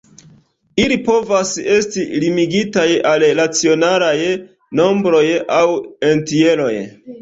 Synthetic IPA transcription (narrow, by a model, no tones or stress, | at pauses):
ilipo̞vase̞stilimiɡitajalnat͡sio̞naɾaj | no̞mbɾo̞jawe̞ntie̞lo̞j